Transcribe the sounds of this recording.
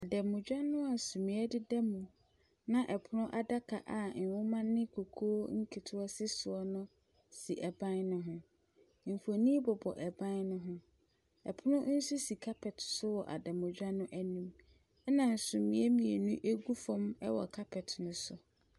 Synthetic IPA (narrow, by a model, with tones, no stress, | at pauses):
a˨dɛ˨mʊ̃˨d͡ʑᶣa˦nʊ̃˦a˨sũ˨mĩ˨˦ɛ˦dɪ˦dɛ˦mũ˨ | nã˦ʔɛ˨pʰʊ˦nʊ̃˦ʔa˦da˦kʰa˨ʔa˨n̩˨wʊ̃˦mã˦nɪ̃˦kʰo˨kʰo˦ŋ̩˦kʰɪ˨tʰʊ˦ɔ˦sɪ˦sʊ˨ɔ˦nʊ̃˦ | si˨ʔɛ˨bã˦nnʊ̃˦ɦʊ̃˦ | m̩˨fo˨nĩ˦bɔ˨bɔ̰˨ʔɛ˨bã˦nnʊ̃˦ɦʊ̃˦ | ɛ˨pʰʊ˦nʊ̃˦n̩˦su˦si˨kʰa˦pʰɛ˨tsʊ˦wɔ˨ʔa̰˨dɛ˨mʊ̃˨d͡ʑᶣa˦nʊ̃˦ʔæ˦nũ˦m | ɛ˦nã˨n̩˨sũ˨mĩ˨ɛ˦mĩ˨e˨nũ˦ʔe˦ɡu˦fɔ̃˦mɛ˦wɔ̰˨kʰa˦pʰɛ˨tnʊ̃˨sʊ˨